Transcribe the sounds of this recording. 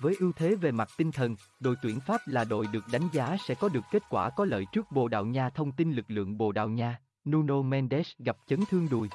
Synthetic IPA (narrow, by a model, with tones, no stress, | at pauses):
vəː˨˦jʔi˧wt̪ʰe˨˦ve˨˩ma˨˩t̚t̪ï˧ŋ̟t̪ʰə˨˩n | ɗo̰˧˨jt̪wḭ˧˩ənfaː˦˥p̚laː˨˩ɗo̰˧˨jɗɨ˨˩ək̚ɗa˨˦jŋ̟zaː˨˦sɛ̰˧˥kɔ˨˦ɗɨ˨˩əkːe˦˥t̚kwaː˧˩kɔ˨˦lə̰ː˧˨jt͡ɕɨ˦˥ək̚ɓo̰˧˨ɗa̰ː˧˨wɲaː˧t̪ʰə˧wŋ͡mt̪i˧nlɨ˨˩k̚lɨ̰˧˨əŋɓo̰˧˨ɗa̰ː˧˨wɲaː˧ | nu˧no˧mɛ˧nɗɛ˦˥sɣa˨˩p̚t͡ɕə˨˦nt̪ʰɨ˧əŋɗṵ˧˩j